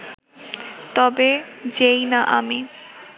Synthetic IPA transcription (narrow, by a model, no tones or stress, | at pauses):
t̪ɔbed͡ʑejnaʔami